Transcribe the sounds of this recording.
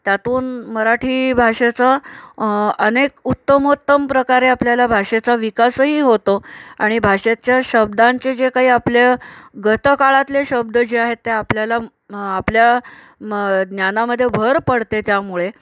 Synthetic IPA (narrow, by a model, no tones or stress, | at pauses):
t̪jat̪uːnməɾaʈʰiːbʱaʂet͡sa | ənekut̪ːəmɦut̪ːəmpɾəkaɾeapljalabʱaʂet͡saʋikasɦiːɦot̪oaɽ̃ibʱaʂet͡ɕjaɕəb̚d̪ãɲt͡sed͡zekaɦiːapleɡət̪əkaɭat̪leɕəb̚d̪əd͡ʑeaɦet̪ːeapljala | aplja | d̪njanaməd̪ʱːjebʱəɾpəɽt̪et̪jamuɭe